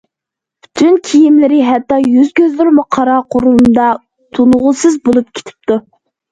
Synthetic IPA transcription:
y̥t̪ʰynkʲʰijimlɪɾɪɦɛt̪ːɑjyzkʲøzlɪɾmuqʰɑɾɑqʰoɾund̪ɑ | t̪ʰunʁʊsɨzbolˠup̚kʲʰe̥t̪ʰɪ̥p̚t̪ʰu

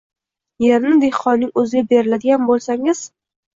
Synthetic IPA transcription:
je̞ɾnɪd̪e̞hqɒnːɪŋɵzɪɡʲabe̞ɾɪlad̪ɪɡʲanbolˠsaŋɪz̥

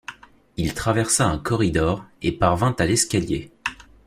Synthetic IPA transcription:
ilt̪χavɛʁsaɛ̃kɔʁid̪ɔʁepaʁvɛ̃t̪alɛskʲalje

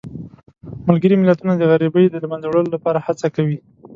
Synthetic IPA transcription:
malɡəɾimɪlat̪unad̪əɣaɾibəjd̪əlmanzawɽəlolapɑɾahat͡sakawi

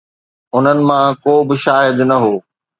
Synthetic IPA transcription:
ʊn̤ənɪ̆mãkoːbɪʃaːɦɪd̪nɐɦoː

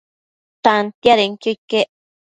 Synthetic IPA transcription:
t̪ant̪jaɾeŋkojkeʔ

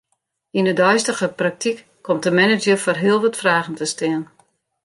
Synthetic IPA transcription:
inədœɥstəɣəprak̚tʰikːʰɔmtəmɛnɪd͡ʒəforɦɪəlˠʋɔtfraːɣən̩təstɪən

